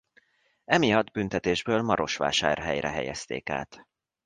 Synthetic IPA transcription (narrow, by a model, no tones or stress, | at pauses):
ɛmijɒd̪bynt̪ɛt̪eːʒbøːlmɒɾʔo̞ʃʋa̰ːʃaːrɦɛjrɛɦɛjɛst̪ḛːka̰ːt̪